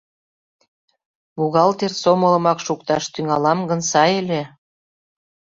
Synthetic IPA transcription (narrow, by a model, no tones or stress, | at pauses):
βuɣɑlt̪ersomə̆lə̆mɑkʃuk̚t̪ɑʃt̪yŋɑlɑmɡə̆nsɑjelʲe